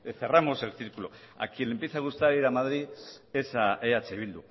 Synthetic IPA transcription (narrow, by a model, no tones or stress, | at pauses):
θeramo̞selθiɾkulo | a̰kilempisaɣust̪aɾiɾamaðɾiesaʔeat͡seiβ̞ild̪u